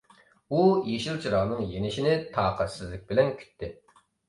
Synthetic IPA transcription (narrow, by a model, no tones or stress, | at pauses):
ujeʃilˠt͡ʃʰiɾɑʁnɨŋjenɪʃinɪt̪ʰɑːqʰæt̪sɪzlɪk̚ʲbɪlɛnkʲʰy̥t̪ʰːɪ